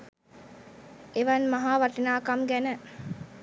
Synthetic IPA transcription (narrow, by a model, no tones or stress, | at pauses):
eʋɐnmaɦaːʋɐʈinaːkamɡænə